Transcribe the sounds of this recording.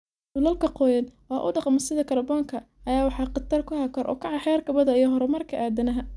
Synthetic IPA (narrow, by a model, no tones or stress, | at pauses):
dʊlɐlkʰɐqɔːjɐnwɑːʔʊ̰ɖɑqmɐsɪðɐkʰɐɾɐbɔːŋkʰɐ | ɐjaːwɑħɑːqɑt̪ːɐrkʰʊhakʰɐɾʔɔ̰ːkʰɐʕɑħɛːrkʰɐβɐðɐijɔɦɔɾɛmɐrkʰɐʔaːd̪ɐnɐɦɐ